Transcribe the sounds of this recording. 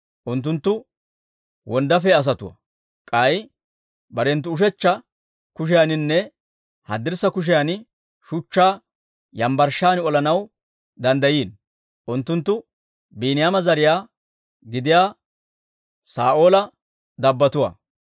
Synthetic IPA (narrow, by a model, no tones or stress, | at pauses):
ʔʊnt̪̬ːʊnt̪ːʊ | wɔnd̪ɐfɛɐs̬ɐt̪ʊwɐ̰ | kʼɐj | bɐɾɛnt̪̬ːʊʊʃ̬ɛt͡ʃːɐ | kʊʃ̬ɪjanɪnːɛ | hɐd̪ɪɾsɐkʊʃ̬ɪjan | ʃʊt͡ʃːaː | jɐmbɐɾʃaːnɪɔlɐnɐw | d̪ɐnd̪ɐjiːn | ʔʊnt̪ːʊnt̪ːʊ | biːnɪjaːmɐzɐɾɪjaː | ɡɪd̪ɪjaː | saːʔo̞ːlɐ | d̪ɐbːɐt̪ʊwa̰ː